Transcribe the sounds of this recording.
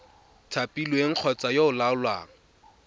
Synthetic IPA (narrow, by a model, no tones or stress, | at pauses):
tʰapʼilweŋ̩q͡χʰɔt͡sajoʊlaʊlwaːŋ̩